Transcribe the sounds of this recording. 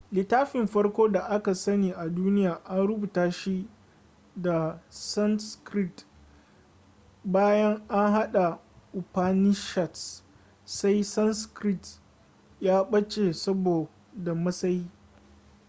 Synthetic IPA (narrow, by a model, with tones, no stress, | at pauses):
lɪ˨taː˦ɸɪ˨mɸɐ˦ɽkʷoː˦da˨ʔa˦ka˨sɐ˦niː˨ʔa˨duː˦nɪ˦jaː˨ʔa˦nɽʊ˦buː˨taː˦ʃi˦ | da˨sɐ˦nskɾɪ˦t | baː˦jɐ˦ŋʔa˦ŋɦa˦ɗa˨ | ʔu˨paː˦nɪ˦ʃɐ˨t | sa˦jsɐ˦nskɾɪ˦t | jaː˦ɓɐ˦t͡ʃe˨sɐ˦boː˨ | da˨mɐ˦sɐ˦ji˦